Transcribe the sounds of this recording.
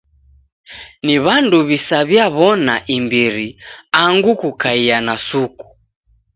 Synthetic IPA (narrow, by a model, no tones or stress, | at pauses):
niβanduβisaβjaβɔnaʔimbiɾiaŋɡukukaianasuku̥